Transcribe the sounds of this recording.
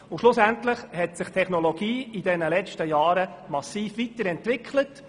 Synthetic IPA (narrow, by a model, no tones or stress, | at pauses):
ʊʃlʊsæntləχhɛtsɪχtʰɛχnɔlɔɡ̥iːidɛnəlɛt͡ʃtəjɑːɾəmɑsiːfʋitəɾɛntʋɪkʰlət